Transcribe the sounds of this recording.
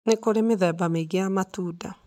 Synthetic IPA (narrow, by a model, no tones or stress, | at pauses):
nekoɾemeðɛːbameɣejamatuːda